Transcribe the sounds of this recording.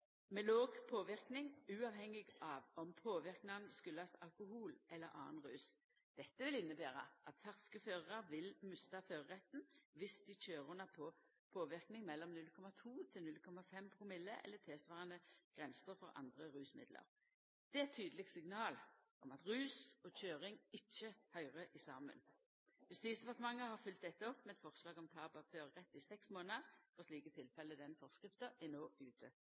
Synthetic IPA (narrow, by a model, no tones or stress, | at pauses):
mɛloːɡpʰoːʋɪɾknɪŋʉːɑʋhɛŋːɪɡɑʋɔmpʰoːʋɪʁknɑnskʉlːɑsɑ̰lkʊɦuːlʔɛlːəɾʔɑ̰ːnʁʉːs | d̪̥ɛt̪ːəʋɪlɪnːəbæːɾɑʔɑt̪fæʁskəføːʁəʁɑɾʋɪlmʉst̪ɑføːɾəʁɛt̪nʋɪsd̪̥ɪt͡ʃøːɾʉnːɑpʰɔ | pʰoːʋɪʁknɪŋmɛlːɔmnʉlkʰɔmɑt̪ʰuːt̪ʰɪlnʉlkʰɔmɑfɛmpʰɾʊmɪlːəʔɛ̰lːət̪ʰeːsʋɑːʁənəɡ̥ʁɛnsəɾfɔʁɑ̰nd̪ʁəʁʉːsmɪ̰d̪lʔə̰ɾ | d̪̥ɛæt̪ʰyːd̪əlɪɡ̪̚sɪɡnɑːlʔɔmɑt̪ʁʉːsɔc͡çøːʁɪŋɪt͡ʃːəhœʏʁəʔɪsɑ̰ːmə̰n | jʉst̪iːsd̪ɛpɑʁt̪əmɑŋːəhɑfʏlt̪̚d̪ɛt̪ːəɔpːmɛɛt̪fɔʁslɑːɡɔmt̪ʰɑːbɑføːɾʁɛt̪ːɪsɛksmoːnəfɔʁsliːkət̪ʰɪlfɛlːəd̪ɛnfɔʁskʁɪft̪əɛnoːʉːt̪ʰə